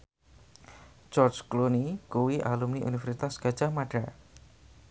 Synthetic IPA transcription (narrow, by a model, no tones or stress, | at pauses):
d͡ʒɔrd͡ʒklunikuwiʔalumniʔṵnifaɾsit̪asɡ̥a̤d̥ʒ̥amaɖ̥a